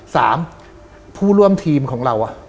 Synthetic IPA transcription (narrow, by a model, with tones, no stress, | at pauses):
sa̰ː˩˦m | pʰuː˥˩ɾu˥˩əmt̪ʰiː˧mkʰɔː˩˦ŋɾa˧wʔa˨˩